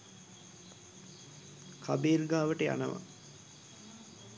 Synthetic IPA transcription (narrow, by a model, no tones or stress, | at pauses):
kʰabeːrɡaːʋəʈəja̰nəʋa̰